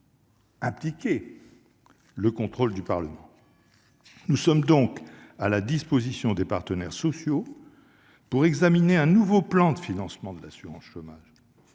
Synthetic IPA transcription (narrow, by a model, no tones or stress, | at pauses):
aplikʲe | ləkɔ̃t̪χold̪ypaʁləmɑ̃ | nusɔmd̪ɔ̃kalad̪ispozisjɔ̃d̪epaʁt̪ənɛʁsɔsjo | puʁɛɡzamineɛ̃nuvoplɑ̃d̪əfinɑ̃smɑ̃d̪əlasyʁɑ̃sʃomaʒ